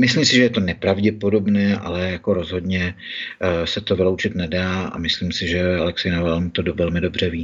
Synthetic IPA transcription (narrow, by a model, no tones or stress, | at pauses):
mɪslimsɪʒɛjɛt̪o̞nɛpɾavɟɛpo̞do̞bnɛːʔa̰lɛjako̞ɾo̞zɦo̞dɲɛ | sɛt̪o̞vɪlowt͡ʃɪt̪nɛdaːa̰mɪslimsɪʒɛalɛksɛjnavalmt̪odovɛlmɪdo̞br̝ɛviː